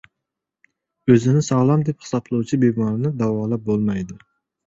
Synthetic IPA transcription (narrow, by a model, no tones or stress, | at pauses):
øzɪnɪsɑʁlˠɑmd̪ɛpχɨ̥sɑplˠɨut͡ʃʰibeɡmɑɾɨnɨd̪ɑwɑːlˠæp̚bolˠmɑjd̪u